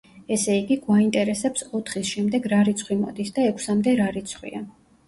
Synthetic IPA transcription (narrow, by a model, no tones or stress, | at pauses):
ɛsɛiɡiɡwaint̪ʼɛɾɛsɛpsɔt̪ʰχisʃɛmd̪ɛɡɾaɾit̪sʰχwimɔ̰d̪isd̪aɛkʰsamd̪ɛɾaɾit̪sʰχwḭa